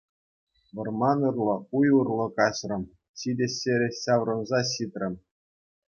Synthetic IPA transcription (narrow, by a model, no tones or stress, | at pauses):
ʋɤ̆rmɑnurlˠɤ̆ujurlˠɤ̆kɑɕrɤ̆m | ɕidʲeɕʲeɾʲeɕɑʋrŏnzɑɕit̪ʲrʲɘ̆mʲ